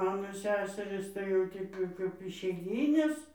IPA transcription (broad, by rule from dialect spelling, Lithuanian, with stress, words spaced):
ˈmɑːnoː ˈsʲæːsʲɛrɨs tɐɪ jɛʊ ˈtʲɛɪp jɛʊ kɐɪp ɪʃʲɛɪˈɡʲiːnʲeːs